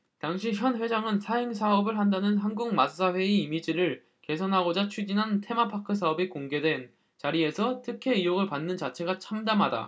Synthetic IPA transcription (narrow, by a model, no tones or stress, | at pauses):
taŋɕʰiçjʌnɸwe̞d͡ʑaŋɯnsʰaɦeŋsʰaʌbɯɭɦandanɯnɦanɡuŋmas͈aɸwe̞iimid͡ʑiɾɯɭ | ke̞s̬ʰʌnɦaɡod͡ʑat͡ɕʰid͡ʑinɦantʰe̞mapʰakʰɯs̬ʰaʌbikoŋɡe̞dwe̞n | t͡ɕaɾie̞sʰʌtʰɯkʰe̞ijoɡɯɭpanːɯnt͡ɕat͡ɕʰe̞ɡat͡ɕʰamdamɦada̰